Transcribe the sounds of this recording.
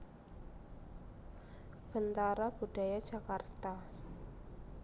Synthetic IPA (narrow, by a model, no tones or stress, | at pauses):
b̥ənt̪aɾab̥ud̥a̤jad̥ʒ̥akart̪a